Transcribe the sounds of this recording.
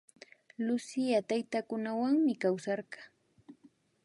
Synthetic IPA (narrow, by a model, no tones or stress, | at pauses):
lʊsɪjat̪ajt̪akʊnawaŋmɪkawsɑɾɢɑ